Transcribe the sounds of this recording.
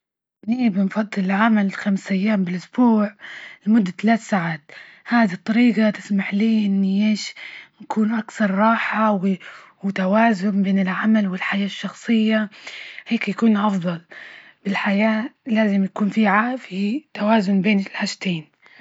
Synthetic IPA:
niːbɪnfɑd̪ˤːɨlɪlʕamalxamsʔajːaːmbɪlʔʊsbuːʕɪlmʊd̪ːat̪alaːt̪saʕaːt̪̚ | haːd̪it̪ˤːɑɾiːqat̪ɪ̥smaħliːʔɪnːiʔeːʃnakʰuːnʔakθɑɾˤɾˤɑːħawwɪt̪awaːzʊmbeːnɪlʕamalwɪlħajaːʃːɑxsˤɨjːaheːkjakuːnʔɑfd̪ˤɑl | b̥ɪlħajaːlaːzɪmjakuːnfiʕafit̪awaːzʊnbeːnɪlħaʃt̪eːn

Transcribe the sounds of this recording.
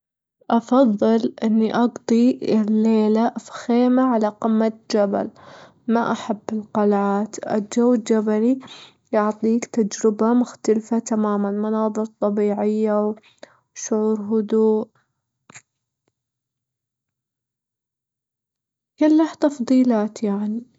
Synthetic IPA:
ʔɑfɑðˤːɨlʔɪnːiʔɑɡt̪ˤiɪlːeːlaʔfxeːmaʕalaqɪmːat̪d͡ʒaba̰l | maʔaħabːɪlqɑlʕaːt̪ʔɪ̰d͡ʒawːɪd͡ʒabali | jʊʕt̪ˤiːkt̪ad͡ʒɾɪbamʊxt̪alfat̪amaːmanmɑnɑːðˤɨɾt̪ˤːɑbiːʕɪjːaw | ʃʊʕuːɾɦʊd̪uːʔ | kɪlːaht̪ɑfðˤiːlaːt̪jaʕni

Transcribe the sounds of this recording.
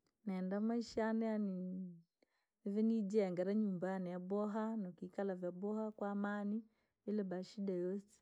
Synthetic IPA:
naːndamaiʃanɛani | ɛvɛnid͡ʒɛɛŋɡaɾaɲumbanɛjabɔɦanɔkikalavjabɔhakwaːmani | ilɛbaʃiɗajɔsɛ̥

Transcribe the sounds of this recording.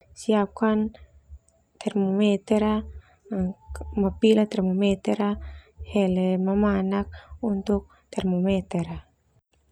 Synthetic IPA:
siap̚kan | t̪ʰɛrmomɛt̪ɛɾa | mapilat̪ɛrmomɛt̪ɛɾahɛlɛmamanak̚unt̪uk̚ | t̪ɛrmomɛt̪ɛɾa

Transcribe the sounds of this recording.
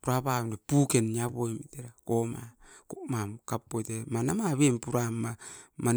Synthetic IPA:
puɾapanepukeniaβojmiteɾakoma̰komamkapːotemanamaβempuɾamːaman

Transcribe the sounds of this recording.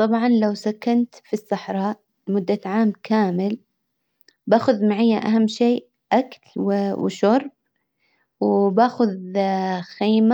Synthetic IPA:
t̪ˤɑbʕɑnlawsakːant̪fisˤːɑħɾˤɑːʔ | mʊd̪ːaʕaːmkʰaːmɪl | baːxʊðmaʕajːaʔaɦamːʃiː | ʔaklwwʃʊɾˤb̚ | wbaːxʊð | xiːma

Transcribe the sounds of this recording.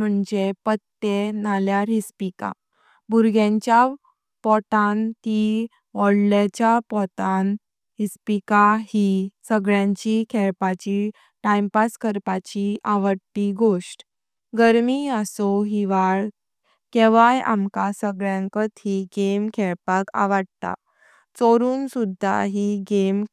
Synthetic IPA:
m̤əɳd͡ʑepət̪ːenaljaɾispika̰ | buɾɡãɲt͡ɕja | pɔt̪ant̪i | ʋɔɽlat͡ɕjapɔt̪an | ɦispikaɦisəɡɭjãɲt͡ɕikʰɛɭpat͡ɕi | ʈajmpaskəɾpat͡ɕiʔaʋəɽt̪iɡoʂʈ | ɡəɾmiasɔɦiʋaɭ | kɛʋaja̰mkasəɡɭjãŋkət̪ɦiɡemkʰɛɭpaka̰ʋəɽt̪a̰ | t͡soɾuːnsud̪ʱːa̰ɦiɡem

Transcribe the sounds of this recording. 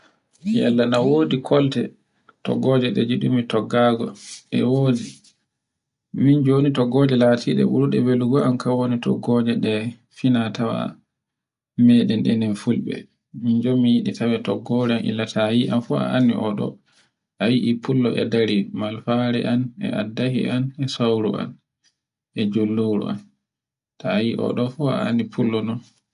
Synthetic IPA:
jɛlːanawoːdikʰɔltɛ | tɔ̰ɡːɔd͡ʒɛɗɛd͡ʒiɗumitɔɡːaɡɔɛ̰woːdi | mind͡ʒonitɔɡɔd͡ʒɛlatʰiɗɛ̰ɓuɾuɗɛbeluɡɔʔamkawonitɔ̰ɡɔd͡ʒɛɗɛ | finatawa̰ | mɛɗɛnɗɛnɛnfulɓɛ̰ | mind͡ʒomijiɗitawɛtɔɡɔɾɛamʔḭlːatʰajiʔamfua̰ʔanːḭʔɔɗɔ̰ | ʔajiʔipʰulːɔʔɛdaɾimalfaɾɛ̰ʔanɛ̰a̰dahḭʔanɛsawɾṵa̰n | ʔɛd͡ʒolːowɾṵʔa̰n | tajiʔɔ̰ɗɔfua̰a̰nːipʰulːɔnɔn

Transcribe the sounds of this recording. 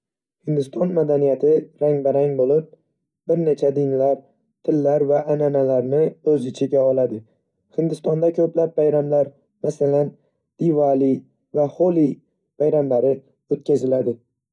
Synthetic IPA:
hɪnd̪ɪst̪ʰɒnmad̪anijat̪ʰɪɾaŋbaɾaŋbolɪp̚ | b̥ɪɾne̞t͡ʃʰad̪ɪnɪlaɾ | t̪ʰɪlːaɾvaːnanalaɾnɪɵzɪt͡ʃʰɪɡʲaɒlˠad̪ɪ | hɪnd̪ɪst̪ɒnd̪akʲʰɵplap̚bajɾamlaɾ | masalan | d̪̥ivali | vaholˠi | b̥ajɾamlaɾɪ | ot̪kʲʰazɪlad̪ɪ

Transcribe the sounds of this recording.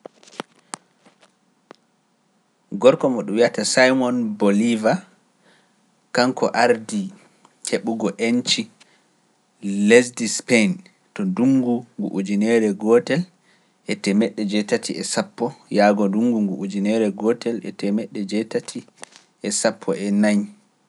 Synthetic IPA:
ɡɔɾkɔmɔɗumwiatasajmɔnboliva | kaŋkʰɔʔaɾdi | heɓuɡɔʔent͡ʃi | lɛsdispen | tɔduŋɡuŋɡṵʔud͡ʒinɛɾɛɡɔtɛl | ʔɛtɛmɛɗːɛd͡ʒɛtatʰiɛsapːɔjaːɡɔduŋɡuŋɡuʔud͡ʒinɛɾɛɡɔtʰɛlɛ̰tɛmɛɗːɛd͡ʒɛtatʰi | ʔɛsapʰːɔ̰ʔɛnaɲ

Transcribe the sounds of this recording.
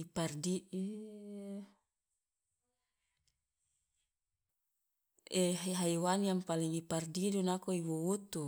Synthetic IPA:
ipardie | eɦeɦaiwaniampaliŋipardidunakoibuut̪u

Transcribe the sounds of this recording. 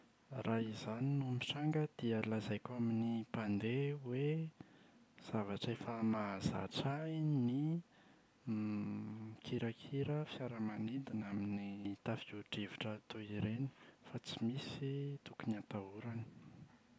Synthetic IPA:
rʔaizaninumiʈ͡ʂaŋɡəd̪̥iəlazajkʲaminipand̪ewe | z̥avaʈ͡ʂefəmaza̰ʈ͡ʂajni | kʰiɾakʰiɾəfjaɾəmaned̪anaminit̪afiuʈ͡ʂiviʈ͡ʂəːt̪oiɾeni̥fat͡simisit̪ukuniat̪auɾani̥

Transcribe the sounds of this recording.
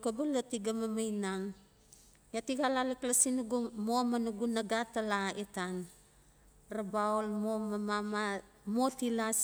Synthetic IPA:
kobalatiɡamamajnaŋ | jatiɡalalaklasinuɡumomanuɡunaɡatalaetan | rabaolmomamama | motilas

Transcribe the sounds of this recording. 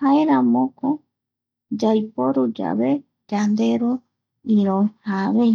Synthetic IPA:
haeɾãmõko | d͡ʒajpoɾud͡ʒa̰βe | d͡ʒand̪eɾo | iɾõhaβe

